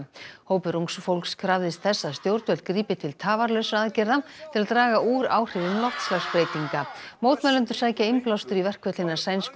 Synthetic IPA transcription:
hoːwpɪɾuŋksfowlkskʰɾavðɪst̪θɛsːaðst̪jowɾt̪vɛlt̪kɾiːpɪt̪ʰɪlt̪ʰaːvaɾlœɥsaðcɛɾðat̪ʰɪlaðt̪ɾaːɣaʔuːɾa̰ːwr̥ɪvɪmlɔht̪slaxspɾeːjt̪iŋkamoːwt̪mɛlʏnt̪ʏɾ̥saːjcaɪmplawst̪ʏɾivɛr̥kʰvɛt̪lɪnːḁsaːjnsp

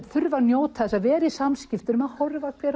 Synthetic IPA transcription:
θʏɾvanjoːwt̪θɛsaðvɛːɾɪisamscɪft̪ʏnʏmaðhɔɾvakɛɾ

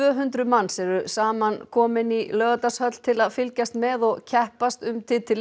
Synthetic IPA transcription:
œɦʏnt̪ɾʏmanːsɛɾʏsaːmankʰɔːmɪnilœːɣat̪ashœt̪l̥t̪ʰɪlaðfɪlcast̪mɛðɔɣcʰɛhpast̪ʏmt̪ʰɪt̪ʰɪl

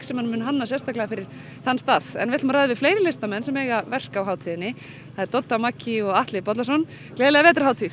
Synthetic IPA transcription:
ksɛmhanmʏːnɦanːasjɛst̪aklɛɣːafɪɾɪɾ̥ | θanːst̪aːθɛ̰nvɪɛt̪maɾajðɪvɪfleːjɾɪlɪst̪amɛnsɛmɛːjɣavɛr̥kawɦaːwt̪ʰiðɪnːɪ | θaðɾt̪ɔt̪ːamacːiɔɣaht̪lɪpɔt̪lasɔn | klɛːðlɛɣavɛːt̪ɾ̥hawt̪ʰiθ

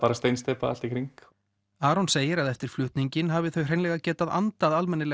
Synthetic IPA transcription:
paːɾast̪ejnst̪ɛːpa̰al̥t̪ikʰɾiŋk | aːɾɔnseːjɪɾaðɛft̪ɪɾ̥flʏht̪niɲcɪnɦavɪθœɥr̥ejnlɛɣacɛːt̪aða̰nt̪aðalmɛnːɪlɛ

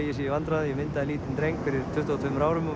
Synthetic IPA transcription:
jɛs̬ijɪvant̪ɾaðjɛmɪnt̪aðɪliːt̪ɪnt̪ɾejŋkfɪɾɪɾʰʏht̪at̪vʏmɾaːwɾʏmɔ

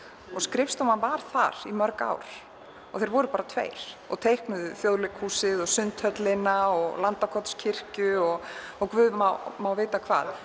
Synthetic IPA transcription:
ɔɣskɾɪfst̪ɔmanvaɾ̥θa̰ɾ̥imœɾka̰ːwɾ̥ | ɔɣθeɪjɾvɔɾʏpaːɾat̪ʰvḛjɾ̥ɔ̰ɣt̪ʰejhknʏðʏθjoðlɪkhuːsɪðɔsʏnt̪hœt̪lɪnaɔɣlant̪akʰɔt̪scʰɪr̥cʏɔɣ | ɔkvʏðmawmawveːjt̪akʰva̰ːð

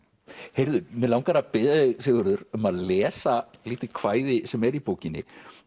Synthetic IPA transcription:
hejɾðʏmɛðlawŋkaɾapɪðaðɪsɪːɣʏɾðʏɾœmaðlɛːsaliːt̪ɪkʰvaːjðɪsɛmɛɾipoːwcɪnːɪ̰

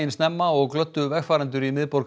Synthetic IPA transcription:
ɪnsnɛmːaɔɣklœt̪ːʏvɛɣfaːɾɛnt̪ʏɾimɪðpɔɾ

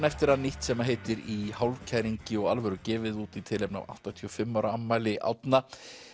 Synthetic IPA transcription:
nɛft̪ɪɾaðniht̪sɛmaɦeːjt̪ɪɾihawlcʰajɾiɲcɪɔɣalvœɾʏcɛːvɪðuːt̪it̪ʰɪːlejpna̰va̰wht̪at̪ʰiɔfɪmːawɾaamːajlɪʔa̰wt̪na

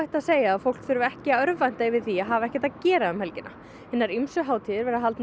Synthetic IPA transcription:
aht̪aðseːjaːðfowl̥kfʏɾvʏɛhcɪaœɾvajn̥t̪aɪvɪðθiaɦaːvaɛhcɛ̥t̪aðcɛːɾaʏmhɛlcɪnʔa̰ | hɛnːaɾimsʏɦaːwt̪ʰiðɪɾvɛɾaɦalt̪n

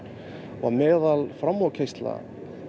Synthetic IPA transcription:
va̰mɛːðalfɾamːɔcʰejst̪la̰

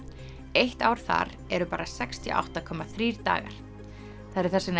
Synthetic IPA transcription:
ejht̪aːwɾ̥θa̰ɾ | ɛɾʏpaːɾasɛkst̪ʰiʔa̰wht̪akʰɔmːaθɾiːɾ̥t̪a̰ːɣa̰ɾ̥ | θaðɾɛɾ̥θɛsɪn

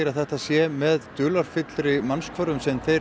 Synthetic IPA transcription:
ɾaθɛht̪asjɛmɛðt̪ʏːlaɾ̥fɪt̪lɾɪmanskkvœɾʏmsɛmθej

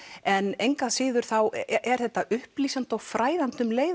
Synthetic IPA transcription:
ɛnejŋkasɪːðʏɾ̥θawɛɾ̥θɛht̪ːaʔʏhpliːsant̪awfɾʔaːjðant̪ʏmleːj

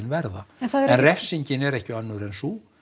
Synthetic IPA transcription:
nvɛɾðaɛnθaðɛɾɛnrɛfsiɲcɪnɛɾɛhcɪanːʏɾɛnsu

